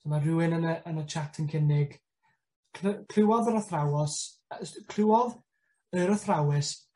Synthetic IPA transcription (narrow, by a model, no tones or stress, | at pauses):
sɔnarɪwɪnənəʔənət͡ʃʰatʰənkʰɪnɪɡ | kʰlkʰl̥ɪwɔðəɾəθrawɔs | skʰlɪwɔð | əɾəθrawɪs